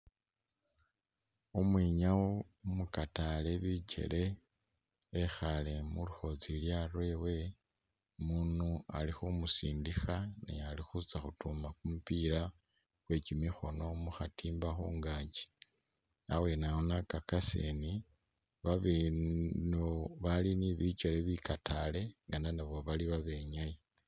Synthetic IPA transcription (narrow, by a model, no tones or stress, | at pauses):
omwiːɲawo | mukatale̞βit͡ʃe̞̰lʔe̞ | xalemuluxo̞t͡siljaɾwe̞we̞ | muːnualixumusiːndixanḛalixut͡saxutumakumupiɾa | xwe̞cimixo̞no̞muxatʰiːmbaxuːŋɡaːɲɟi̥ | awe̞naonakakasḛni | βaβenoβaliniβit͡ʃeleβikatale̞ŋɡananaβo̞βaliβaβe̞ɲaje